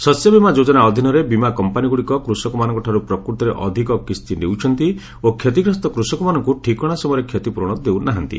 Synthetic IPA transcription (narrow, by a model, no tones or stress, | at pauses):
sɔsjɔbimad͡ʒod͡ʒɔnaɔd̪ʱinɔɾebimakɔmpaniɡuɽikɔkɾusɔkɔmanɔ̃ŋkɔʈʰaɾupɾɔkɾut̪ɔɾeʔɔd̪ʱikɔkist̪inewt͡ʃʰɔnt̪i | okʰjet̪ikɾɔst̪ɔkɾusɔkɔmanɔŋkuʈʰikɔɽ̃asɔmɔjɾekʰjet̪ipuɾɔɽ̃ɔd̪ewnaɦant̪ḭ